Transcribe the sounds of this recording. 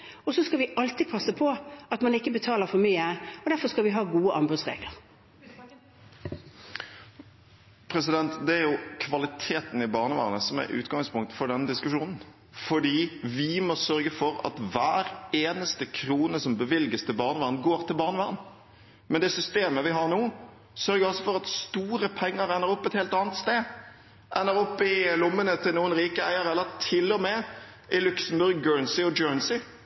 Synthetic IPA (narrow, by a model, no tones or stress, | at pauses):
ɔsɔskɑʋɪʔɑlt̪iːpʰɑsəpʰɔɑt̪mɑnɪkːəbət̪ʰɑːləɾfɔmyːəɔd̪æfɔskɑlʋɪɦɑːɡuːəʔɑnbʉd̪sʁḛːɡlə̰ʁ | pʰɾɛsɪd̪ɛnt̪d̪ɛæɾjʊkʰʋɑlɪt̪ʰeːt̪n̩ɪbɑːʁnəʋæ̰ːʁnəsɔmæ̰ɾʉ̰ːt̪ɡɑŋspʰʊŋkt̪fɔɖɛnːəd̪ɪskʉʂuːnn̩ | fɔɖiːʋɪmɔsœɾɡəfɔɾɑ̰t̪ʋæːɾeːnəst̪əkʰɾuːnəsɔmbəʋɪlɡəst̪ʰɪlbɑːʁnəʋɑːʁən̩ɡoːɾt̪ʰɪlbɑːʁnəʋɑːʁən | mɛnd̪ɛsʏst̪eːməʋɪɦɑɾnuː | sœɾɡəɾɔsɔfɔɾɑt̪st̪uːɾəpʰɛŋːəɾæɪnəɾɔpːɛt̪heːlt̪ɑːnət̪st̪eː | ʔæ̰ɪnəɾɔpːɪlʊmːənət̪ʰɪlnuːənɾiːkəæɪəɾɛlːəɾt̪ʰɪlːɔmɛ | ɪlʉksəm̩bʉɾɡːøːɹnsɪɔd͡ʒøːnsɪ